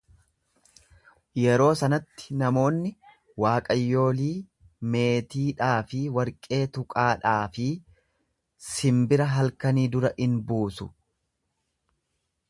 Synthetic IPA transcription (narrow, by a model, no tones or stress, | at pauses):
jɛɾo̞ːsɐnɐt̪ːɪ̥nɐmo̞ːnːɪ | waːkʼɐjːo̞ːliː | me̞ːt̪iːᶑaːfɪwɐɾkʼe̞ːt̪ʊkʼaːᶑaːfɪ | sɪmbɪɾɐɦɐlkɐniːd̪ʊɾɐʔɪnbuːsʊ